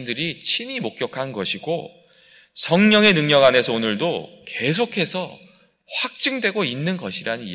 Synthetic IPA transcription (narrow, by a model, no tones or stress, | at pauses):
ndɯɾit͡ɕʰinimok̚k͈jʌkʰanɡʌɕʰiɡo̰ | sʰʌŋɲʌŋe̞nɯŋɲʌɡane̞sʰʌonɯɭdoke̞s̬ʰokʰe̞sʰʌ | ɸwak̚t͡ɕ͈ɯŋdwe̞ɡoinːɯnɡʌɕʰiɾanɯni